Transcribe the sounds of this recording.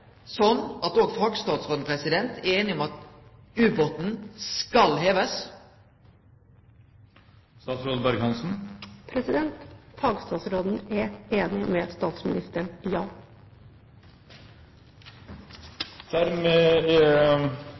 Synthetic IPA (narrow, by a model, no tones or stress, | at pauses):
sɔnːɑt̪oːɡfɑːɡst̪ɑːd̪sɾoːd̪npʰɾɛsɪd̪ɛnt̪ɛeːnɪɔmɑt̪ | ʉːbot̪n̩skɑlheːʋəs | st̪ɑːt̪sɾoːd̪̩d̪ɑɾɡhɑnsn̩pʰɾɛsɪd̪ɛnt̪fɑːɡst̪ɑːsɾod̪n̩ɛeːnɪmɛst̪ɑːt̪smɪ̰nɪst̪əɳjɑː | d̪̥æɾmeː